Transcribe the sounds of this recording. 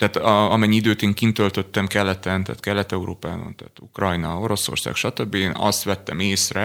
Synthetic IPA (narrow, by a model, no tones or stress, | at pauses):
t̪æaːt̪ɒɒmɛɲːiid̪øːt̪eːŋkint̪ølt̪øt̪ːɛmkɛlːɛt̪ɛnt̪a̰ːt̪kɛlːɛt̪ɛuɾo̰ːpaːbɒ̰nt̪a̰ːt̪ukrɒjnɒo̞ɾo̞so̞̰rsa̰ːkʃɒt̪øbːieːnɒ̰st̪ʋɛt̪ːɛ̰meːsrɛ